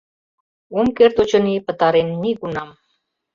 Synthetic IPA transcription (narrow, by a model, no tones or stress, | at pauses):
umkert̪ut͡ɕə̆nipə̆t̪ɑɾenːiɡunɑm